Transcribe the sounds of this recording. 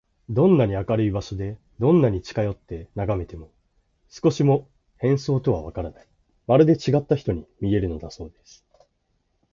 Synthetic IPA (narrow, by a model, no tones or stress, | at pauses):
d̪õ̞nːaɲ̟iakaɾɯ̟ibaɕo̞d̪e̞ | d̪õ̞nːaɲ̟it͡ɕi̥kajo̞t̪ːe̞naɡame̞t̪e̞mo̞ | sɨ̥ko̞ɕimo̞ | hẽ̞ɰ̃so̞ːt̪o̞β̞aβakaɾanai | maɾɯ̟d̪e̞t͡ɕiɡat̪ːaçʲi̥t̪o̞ɲ̟imʲie̞ɾɯ̟no̞d̪aso̞ːd̪e̞sɨ̥